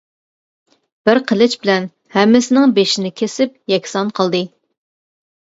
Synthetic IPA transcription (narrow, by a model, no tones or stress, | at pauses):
b̥ɪɾqʰəlˠɪt͡ʃbɪlɛn | hɛmːɪsɪnɪŋbeʃɪnɪkʲʰesɪp̚jɛkʲsɑnqʰəlˠd̪ɨ